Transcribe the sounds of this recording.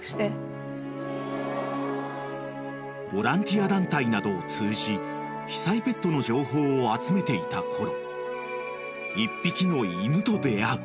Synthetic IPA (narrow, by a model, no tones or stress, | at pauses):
ɕt̪e | bo̞ɾãnt̪ʲiad̪ãnt̪ainad̪o̞ːt͡sɨːʑi | çi̥saipe̞t̪ːo̞no̞ʑo̞ːɦo̞ːat͡sɨme̞t̪e̞it̪akʰo̞ɾo̞ | ipʲːikʲino̞imɯ̟t̪o̞d̪e̞aɾɯ̟